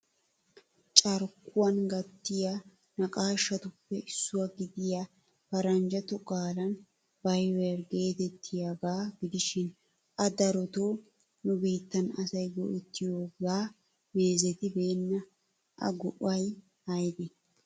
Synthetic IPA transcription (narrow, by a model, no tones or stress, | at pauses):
t͡ʃʼɐɾkʊwɐnɡɐt̪ːɪja | nɐkʼaːɪʃːɐt̪ʊpːɛʔɪsːʊwɐɡɪd̪ɪja | fɐɾɐnd͡ʒɐt̪ʊkʼaːlɐn | bɐjwɛɾɡe̞ːt̪ɛt̪ʰːɪjaɡaːɡɪd̪ɪʃɪn | ʔɐd̪ɐɾɔt̪oː | nʊbiːt̪ːɐnɐsɐjɡɔ̰ʔɪt̪ːɪjoːɡaː | meːzɛt̪ɪbeːnːɐ | ʔɐ̰ɡʊʔɐj | hɐjd̪ɛ